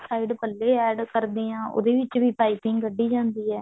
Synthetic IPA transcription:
saːɪɖpəlːeːɛːɖkəɾd̪iːãːo̰d̪eːʋɪt͡ʃʋiːpaːɪpɪ̃ŋɡɡəɖːiːd͡ʒãːnd̪iːɛː

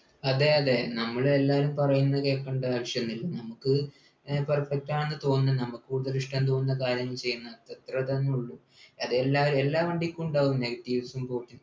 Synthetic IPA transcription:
ɐðeɐðe̞nɐmːɐɭelːaːɾumpɐrɐjunːɐɨke̞ːkːeɳɖɐaːʋiʂjɐnnːilːɐnɐmukːɨ | pɐrfek̚taːɳenːɨt̪o̞ːnːɐnɐmukːɨkuːɽuðɐɾiʂʈɐnt̪oːnɨnːɐkaːɾjɐŋːɐɭt͡ɕe̞jːunːɐt̪ːɐt̪rɐt̪ɐnːeuɭːu | ɐðelːaːʋɐɾelːaːʋɐɳɖikʲːuuɳɖaːɣumneɡɐt̪iːʋɐsumpo̞ːʈːu

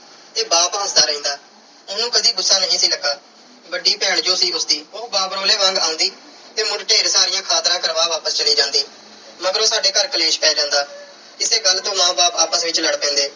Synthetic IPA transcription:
t̪eːbaːpãːsd̪aːɾəĩːnd̪aː | ʊnũːkəd̪iːɡʊsːaːnəɦĩːsiːləɡaː | bəɖiːpɛːɳd͡ʒoːsiːʊsd̪iːoːbaːpɾoːleːʋãŋɡãːʊ̃nd̪iːt̪eːmʊɖʈeːɾsaːɾɪjãːkʰaːt̪ɾãːkəɾʋaːʋaːpəst͡ʃəliːd͡ʒãːnd̪iː | məɡəɾoːsaːɖeːkəɾkəleːʃpɛːd͡ʒãːnd̪aː | ɪseːɡəlːt̪õːmãːbaːpaːpəsʋɪt͡ʃləɽpɛ̃ːnd̪eː

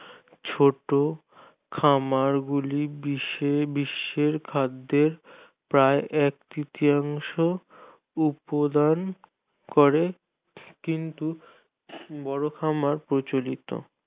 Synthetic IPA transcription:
t͡ɕʰoʈo | kʰamaɾɡulibiʃebiʃːeɾkʰad̪ːeɾ | pɾaeʔɛk̚t̪it̪iaŋʃo | upod̪an | koɾe | kint̪u | bɔɽokʰamaɾpɾot͡ɕolit̪o̰

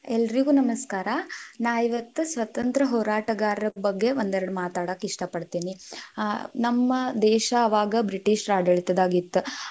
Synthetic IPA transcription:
ɛlːɐɾiɡuːnɐmɐskaːɾɐnaːjiʋɐt̪ːusʋɐt̪ɐnt̪ɾɐɦɔːɾaːʈɐɡaːɾɐɾɐbɐɡːe̞ʋond̪ɛɾɐɽumaːt̪aːɽakːeiʂʈɐpɐɽt̪iːni | nɐmːɐd̪ɛːʃɐːʋaːɡɐbɾiʈiːʂɾaːɖɐɭit̪ɐd̪aːɡit̪ːu

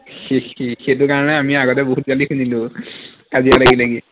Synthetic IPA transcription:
xexixet̬ʊkaɹɔnɛamiaɡɔt̬ɛboɦut̚ɡalikʰunilʊ̃ | kazijalaɡilaɡi

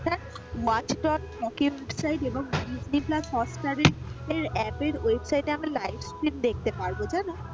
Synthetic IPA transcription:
tʰa | wat͡ɕɖɔnkɔkiwebsajʈeboŋɖizniplashɔsʈaɾeɾeɾɛpeɾwebsajʈeamilajbskɾimd̪ek̚t̪epaɾbod͡ʑano

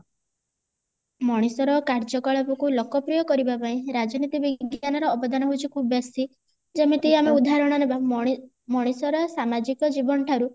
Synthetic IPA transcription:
mɔɽ̃isɔɾɔkaɾd͡ʒɔkɔɭɔpɔkulɔkɔpɾijɔkɔɾibapaĩɾad͡ʒɔnit̪ibiɡjanɔɾɔːbɔd̪ʱanɔɦut͡ʃʰikʰubɔbesi | d͡ʒemet̪iiameud̪ʱaɾɔɽ̃ɔɾeba | mɔɽ̃isɔɾɔsamad͡ʒikɔd͡ʒibɔnɔʈʰaɾu

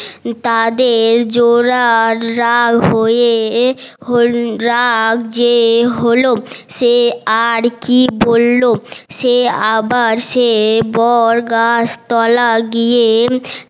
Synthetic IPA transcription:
t̪ad̪eɾd͡ʑoɾaɾːaɡɦoe | ɦoɾakd͡ʑeɦoloʃeaɾkibolːoʃeabaɾʃebɔɾɡast̪ɔlaɡije

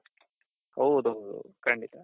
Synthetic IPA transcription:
hɐwd̪uɦɐwd̪ṵkɐɳɖit̪a

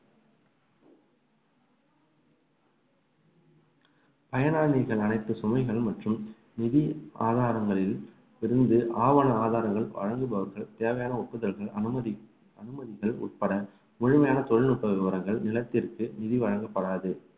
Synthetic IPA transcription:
pɐjɐnaːɳiɾɣɐɭɐnɐɪt̪ːɯsɔmɐɪɣɐɭmɐʈrɯm | nɪðia̰ːðaːɾɐŋɡɐɭɪl | ɪɾɯnd̪ɯʔaːʋɐnɐaːðaːɾɐŋɡɐɭʋɐ̰ɻɐŋɡɯbɐʋɐɾɣɐɭt̪eːʋɐjaːnɐʊʈ̚pːɯðɐlɣɐɭ | ɐnɯmɐðɪɣɐɭʊ̰ʈ̚pɐɽɐ | mʊɻʊmɐjaːnɐt̪ɔɻɪɭnʊʈːɐʋɪʋɐɾɐŋɡɐɭnɪlɐt̪ːɪrkɯnɪðiʋɐɻɐŋɡɐpːɐɽaːðɯ

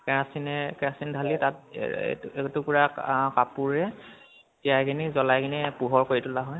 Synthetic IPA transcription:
kɛɹasinɛkɛasindʱalitat̚ | etupʊɹakkapuɹɛ | tijajkʰinizɔlajkʰinipuɦɔɹkoɹitʊlaɦɔj

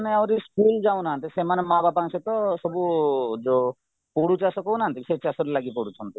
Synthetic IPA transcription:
neawɾiskuld͡ʒaw̃naɦnt̪isemanemababãŋsʰet̪ɔsɔbud͡ʒo | poɽut͡ʃasɔkõnaɦnt̪iset͡ʃasoɾlaɡipɔɽut͡ʃʰɔnt̪i

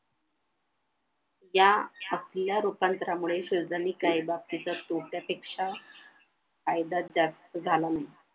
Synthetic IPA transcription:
jaəsljaɾupant̪ɾamuɭeɕod͡zaniːkaibap̚t̪it͡sat̪oʈjapekʂa | kajd̪at̪d͡za | d͡zʱalanaɦi

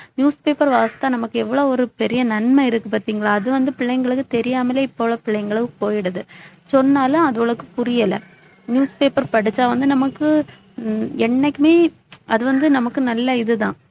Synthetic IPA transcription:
njuːspeːpɐɾʋaːɐst̪aːnɐmɐkːɯɛʋːɐɭoːɔɾɯpɛɾɪjɐnɐnmɐɪɾɯkːɯpaːɾt̪iːŋɡɐɭaːɐðɯʋɐnd̪ɯpɪɭːɐjŋɡɐɭɯkːɯt̪ɛɾɪjaːmɐleːɪpːoʋɭɐpɪɭːɐjŋɡɐɭɯkɯpoːjɪɽɐðɯ | sɔnːaːlʊ̃ɐðɯʋɯɭɐkːɯpʊɾɪjɐlɐ̰ | njuːspeːpɐɾpɐɽɪt͡ʃːaːʋɐnd̪ɯnɐmɐkːɯ | ɛɳːɐkːɯmeː | ɐðɯʋɐnd̪ɯnɐmɐkːɯnɐlːɐɪðɯðãː

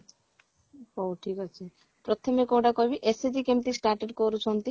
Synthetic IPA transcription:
oʈʰikat͡ʃʰi | pɾɔt̪ʰɔmekowɖakɔjbiʔesed͡ʒikemt̪isʈaɾʈeɖkɔɾut͡ʃʰɔnt̪i

